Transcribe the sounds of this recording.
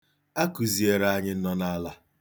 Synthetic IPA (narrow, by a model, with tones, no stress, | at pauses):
a˦ku˨zi˨e˨ɾa˦ɲɪ˦n̩˦nɔ˦na˦la˦